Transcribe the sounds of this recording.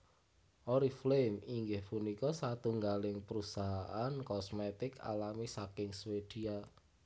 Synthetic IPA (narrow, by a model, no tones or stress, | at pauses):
ʔɔɾiflemiŋɡɪhpunikɔsat̪uŋɡalɪŋpəɾusaɦaʔankɔsmet̪ɪka̰lamisakɪŋswed̥ia